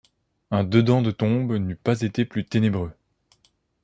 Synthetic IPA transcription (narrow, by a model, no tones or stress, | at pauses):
ɛ̃d̪əd̪ɑ̃d̪ət̪ɔ̃bnypazet̪eplyt̪enebʁø